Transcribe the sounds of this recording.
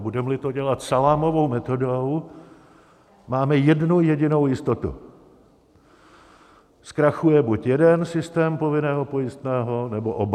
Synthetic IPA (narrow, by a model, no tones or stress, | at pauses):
budɛmlɪt̪o̞ɟɛlat̪salaːmo̞vo̞wmɛt̪o̞dow | maːmɛjɛdnujɛɟɪno̞wjɪst̪o̞t̪ṵ | skɾaxujɛbucjɛdɛnsɪst̪ɛːmpovɪnɛːɦo̞po̞jɪst̪nɛːɦo̞nɛboʔob